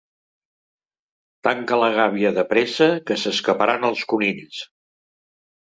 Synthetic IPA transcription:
t̪aŋkələɣ̞aβiəðəpɾɛsəkəsəskəpəɾanəlˠskunins

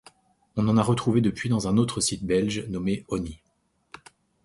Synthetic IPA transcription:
ɔ̃nɑ̃naʁət̪χuved̪əpɥid̪ɑ̃zɛ̃not̪χəsit̪̚bɛlʒnɔmeɔni

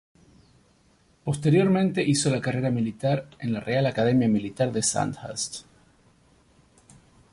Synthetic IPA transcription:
po̞st̪e̞ɾjo̞ɾmẽ̞nt̪e̞ʔiso̞lakare̞ɾamilit̪aɾe̞nlarealakaðe̞mjamilit̪aɾðe̞sa̰nt̪ha̰st̪

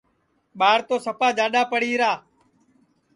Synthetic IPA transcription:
ɓaːɾt̪oːsəpaːd͡ʒaːɗaːpəɽiːɾaː

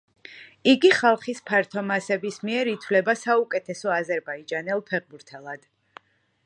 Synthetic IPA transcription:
iɡiχalˠχispʰaɾt̪ʰɔmasɛbismiɛɾit̪ʰwlɛbasaukʼɛt̪ʰɛsɔazɛɾbaid͡ʒanɛlˠpʰɛʁbuɾt̪ʰɛlˠad̪̥

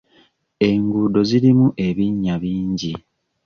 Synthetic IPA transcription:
e̞ŋɡuːdo̞ziɾimuʔe̞βiɲːaβiːɲɟi

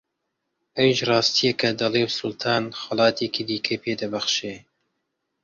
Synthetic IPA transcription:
ʔɐwiʃrˤɑːst̪ijɐkʰɐd̪ɐlewsʊlt̪ʰɑːnxɐlɑːt̪ʰeːkid̪iːkʰɐjpʰeːd̪ɐbɐxʃeː

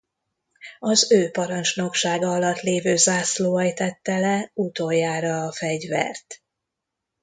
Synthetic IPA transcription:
ɒzøːpɒɾɒnt͡ʃno̞kʃaːɡɒɒlɒt̪ːleːvøːzaːsloːɛjt̪ɛt̪ːɛlɛut̪oːjːaːɾɒːfɛɟvɛ̰rt̪

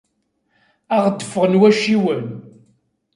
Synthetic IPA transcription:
æʁt̪ːə̥fːʁənwæʃiwən

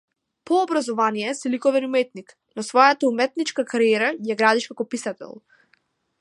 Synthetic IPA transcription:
pɔːbɾazɔvanijɛsilikɔvɛnumɛt̪nik | nɔsvɔjat̪aumɛt̪nit͡ʃkakaɾijɛɾajaɡɾad̪iʃkakɔpisat̪ɛ̰lˠ

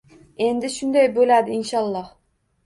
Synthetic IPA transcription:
e̞nd̪ɪʃʊnd̪ajbolad̪ɪinʃɑlˠːɑh

